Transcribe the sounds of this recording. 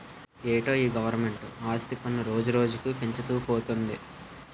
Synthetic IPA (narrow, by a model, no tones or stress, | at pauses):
eːʈo̞ːiːɡɐʋɐɾme̞ɳʈuaːst̪ipɐnːuɾo̞ːd͡ʒuɾo̞ːd͡ʒukupeɲt͡ʃut̪uːpoːt̪und̪ḭ